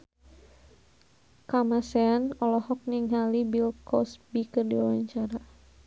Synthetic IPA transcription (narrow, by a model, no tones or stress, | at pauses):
kamasɛanɔlɔhɔk̚niŋɦalibilkɔsbikɨrdiwawaɲt͡ʃaɾa